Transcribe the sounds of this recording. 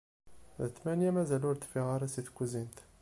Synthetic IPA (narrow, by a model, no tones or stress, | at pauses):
ðət̪ːmænjæmæzælʊɾt̪fiʁaɾˤasiθkʷːzint̪